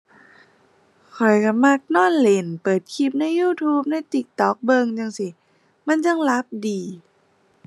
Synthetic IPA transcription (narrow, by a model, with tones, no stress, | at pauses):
kʰɔ˨˩jka˧˩ma˧˥˩k̚nɔː˥˩˨nle˧˩npɤː˨˩t̪̚kʰi˧˩p̚na˧˥˨jːuː˧˩t̪ʰuː˦˥p̚na˧˥˨jt̪i˧˩k̚t̪ɔ˨˦˩k̚bɤ˧ŋt͡ɕa˧ŋsi˧˩ | ma˧˥˨nt͡ɕa˧ŋla˦˥p̚diː˧